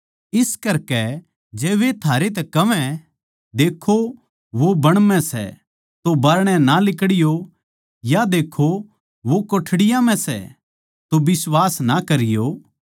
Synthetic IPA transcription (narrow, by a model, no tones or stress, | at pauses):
ɪskɐɾkɛ | d͡ʒɛːʋet̪ʰaːɾet̪̬ɛkɐʋɛ̃ | d̪eːkʰo | ʋobɐɽ̃mɛ̃sɛ̰ | t̪obɐːɾɽ̃ɛ̃nalɪkɽɪjo | jad̪eːkʰo | ʋokoʈʰɽɪjãmɛ̃sɛ̰ | t̪obɪswaːsnakɐɾɪjoː